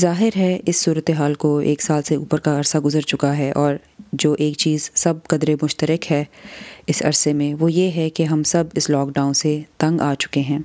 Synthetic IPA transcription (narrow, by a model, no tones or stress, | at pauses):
zaːɦɪɾɦɛɪsːuːɾət̪eɦaːlkoḛːksaːlseṵːpəɾkaɐɾsaɡʊzəɾt͡ʃʊkaɦɛʔɔːɾ | d͡ʒoːʔeːkt͡ʃiːzsɐb̚kɐd̪ɾemʊʃt̪əɾəkɦɛɪsɐ̰ɾsemẽʋoːjeɦɛkeɦɐmsɐbɪslɔːkɖaːʊ̃nset̪ɐ̃ŋɡaːt͡ʃʊ̥keɦɛ̃ː